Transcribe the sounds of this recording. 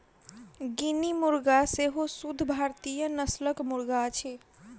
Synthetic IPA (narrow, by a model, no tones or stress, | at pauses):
ɡinimuɾɡaseɦosud̪ʱbʱaɾt̪ijənəsləkmuɾɡat͡ʃʰɛ